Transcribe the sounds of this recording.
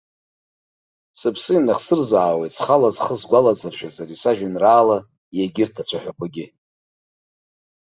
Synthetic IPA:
sɨpʰsɨinaχsɨrzaːwejtsχalazχəzɡʷalad͡zarʃᶣazaɾisaʒᶣanraːla | jaɡʲɪrtʰat͡sʷʰaħʷᶣakʷaɡʲɪ

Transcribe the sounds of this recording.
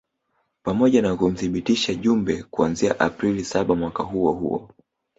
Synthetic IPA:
pamɔʄanakum̩θiɓitiʃaʄumbɛkuanziaʔapɾilisaɓamwakaɦuɔhṵɔ̰

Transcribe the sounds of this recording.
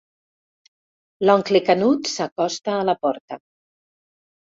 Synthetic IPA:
lɔŋklekanut̪sakɔst̪aːlapɔɾt̪ə

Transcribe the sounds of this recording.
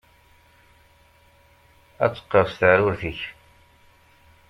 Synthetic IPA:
æ̰t͡sːə̥qːəvst̪aɾʊɾθiç

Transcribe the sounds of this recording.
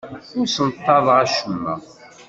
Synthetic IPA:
ʊɾsənt̪ˤːɑðˤʁaʃəmːæ̰

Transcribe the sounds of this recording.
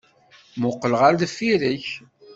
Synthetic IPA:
mʊqːələʁaɾðfːiɾəç

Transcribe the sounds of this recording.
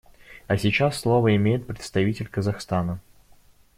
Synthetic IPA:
ɐsʲɪt͡ɕasːlˠo̞vəɪmʲejɪt̪̚pɾʲɪt̪st̪ɐvʲitʲɪlʲkəzɐxst̪anə

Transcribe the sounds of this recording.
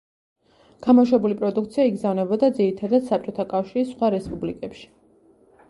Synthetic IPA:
ɡ̥amɔʃwɛbulipʼɾɔd̪ukt̪sʰiaiɡzavnɛbɔd̪ad̪ziɾit̪ʰad̪ad̪̥sap̚t͡ʃʼɔt̪ʰakʼafʃiɾisːχwaɾɛspʼublikʼɛpʃi̥

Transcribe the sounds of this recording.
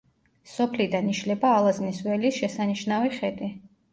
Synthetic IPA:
sɔpʰlid̪aniʃlɛbaːlˠazniswɛlisʃɛsaniʃnaviχɛd̪i

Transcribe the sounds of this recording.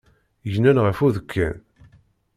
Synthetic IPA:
jnænʁəfuðəkʰːæ̰n

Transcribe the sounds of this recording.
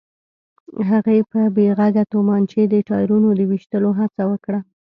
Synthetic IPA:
ɦaɣepəbeɣaɡat̪omɑnt͡ʃed̪əʈɑjɾunod̪əwiʃt̪əloɦat͡sawəkɽa

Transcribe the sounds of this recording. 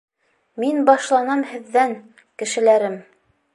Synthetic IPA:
minbɑʃlˠɑnɑmhɘ̆ðːæŋ | kɘ̆ʃɘ̆læɾɘm

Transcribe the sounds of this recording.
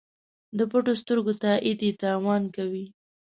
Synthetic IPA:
d̪əpəʈost̪əɾɡot̪aʔid̪et̪ɑwɑnkawi

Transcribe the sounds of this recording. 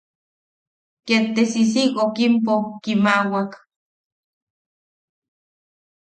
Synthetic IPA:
kent̪esis̬ikokimp̬okimawak

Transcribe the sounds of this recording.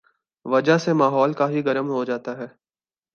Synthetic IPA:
ʋɐd͡ʒasemaːɦɔːlkaɦiɡɐɾəmɦod͡ʒaːt̪aɦɛː

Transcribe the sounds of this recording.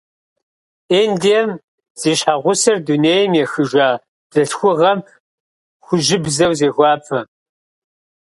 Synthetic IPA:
eːndijɛm | z̥iːɕħaʁʷʊsɐrduneːjmjɛxɨʒʷaː | d̥ɐɬxʷʊʁɐm | χʷʊʒɪbzɐwzeːɣʷɑːpʰʼɐ

